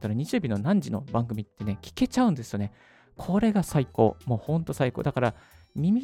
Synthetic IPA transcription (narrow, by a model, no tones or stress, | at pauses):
t̪aɾaɲ̟it͡ɕɨːbʲino̞nãɲ̟d͡ʑino̞bãŋɡɯ̟mʲit̪ːe̞ne̞kʲi̥ke̞t͡ɕaɯ̟̃nd̪e̞sɨjo̞ne̞ | kʰo̞ɾe̞ɡasaiko̞̰ːmo̞ːhõ̞nt̪o̞saiko̞̰ːd̪akaɾa | mʲimʲi